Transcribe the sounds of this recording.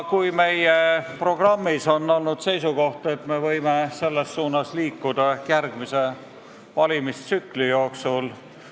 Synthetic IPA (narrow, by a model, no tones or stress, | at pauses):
kujme̞jepro̞ɡ̥rɑmːiso̞nːo̞lnud̪̥se̞jsuko̞ht̪ɑe̞t̪me̞vɤjmese̞lːesːuːnɑsliːkːud̪ɑjærɡ̥mise̞ | vɑlʲimist̪syklijo̞ːksul